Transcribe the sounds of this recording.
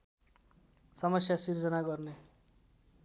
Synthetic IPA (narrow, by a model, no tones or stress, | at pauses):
sʌmʌsjasird͡zʌnaɡʌrne